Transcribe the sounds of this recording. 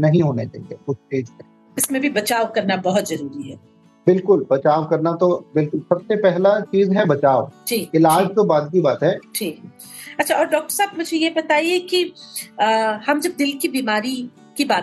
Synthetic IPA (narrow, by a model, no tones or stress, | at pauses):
nɐɦĩɦoːnet͡ʃa̰ːɦḭekʊt͡ʃʰteːd͡ʒkɐ | ɪsmẽbʱibɐt͡ʃaːkɐɾnabɐɦʊt̪zɐɾuːɾiɦɛː | bɪlkʊlbɐt͡ʃaːʋkɐɾnat̪obɪlkʊlsɐbsepɛɦlat͡ʃiːzɦɛbɐt͡ʃaːʋd͡ʒiːɪlaːd͡ʒt̪obaːd̪kibaːt̪ɦɛːd͡ʒʰiːk | ɐtːʃʰaɔːɾɖɔːk̚ʈəɾsaːbmʊd͡ʒʱejebɐt̪aːieki | hɐmd͡ʒɐb̚d̪ɪlkibiːmaːɾi | kibaː